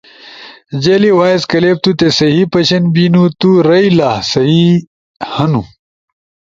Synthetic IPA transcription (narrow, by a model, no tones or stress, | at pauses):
d͡ʑeːliwaːjzkɐleːp̚t̪ut̪esɐɦipɐɕɐnbiːnut̪uɾɐilaːsɐɦi | hɐnu